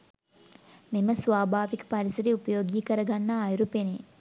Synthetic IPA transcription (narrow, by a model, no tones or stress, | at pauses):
miməsʋaːbʱaːʋikə̥paɾisɐɾiupəjoːɡiːkəɾɐɡanːaːjuɾupene